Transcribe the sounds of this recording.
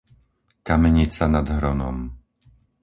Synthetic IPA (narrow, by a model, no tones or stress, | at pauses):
kamɛɲit͡sanad̪ɦɾɔnɔ̰m